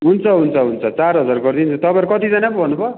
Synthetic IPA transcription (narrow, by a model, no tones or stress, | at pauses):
ɦunt͡sʰʌɦunt͡sʰʌɦunt͡sʰʌt͡sarɦʌd͡zarɡʌrd̪int͡sʰʌt̪ʌpãʌɾukʌt̪id͡zanakobʱʌnːubʌ